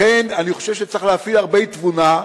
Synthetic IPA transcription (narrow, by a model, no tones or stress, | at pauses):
enaniχoʃevʃet͡siχleafilaʁbejt̪vuna